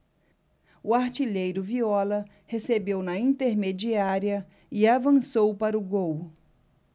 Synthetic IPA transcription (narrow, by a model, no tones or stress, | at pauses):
ʊaɾt͡ʃiʎejɾʊviɔlɐ | hesebewnɐĩnt̪eɾmed͡ʒiaɾiɐ | ɪavɐ̃sowpaɾɐʊɡow